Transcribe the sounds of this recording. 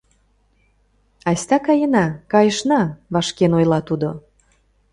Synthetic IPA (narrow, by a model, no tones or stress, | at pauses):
ɑsʲt̪ɑkɑjənɑkɑjəʃnɑβɑʃkenojlɑt̪ud̪o